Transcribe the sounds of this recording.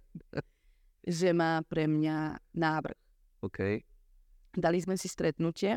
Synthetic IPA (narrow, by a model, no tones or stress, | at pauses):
ʒɛmaːpɾɛmɲanaːvr̩̰x | okʰɛj | d̪alizmɛsist̪ɾɛt̪nucɛ